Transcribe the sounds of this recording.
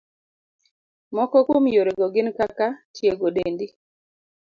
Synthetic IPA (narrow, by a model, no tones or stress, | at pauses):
mɔkɔkwomjoɾeɡɔɡɪnkakatjeɡodendi